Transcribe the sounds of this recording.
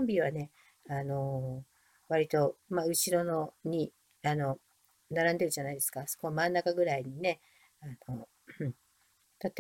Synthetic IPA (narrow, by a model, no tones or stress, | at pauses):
õmbʲiβane̞ | ano̞ | βaɾʲit̪o̞maɯ̟ɕiɾo̞no̞ɲ̟i | ano̞ | naɾãnd̪e̞ɾɯ̟ʑanaid̪e̞sɨ̥kaso̥ko̞βamãnːakaɡɯ̟ɾaiɲ̟ine̞ | ano̞ | t̪at̪ːe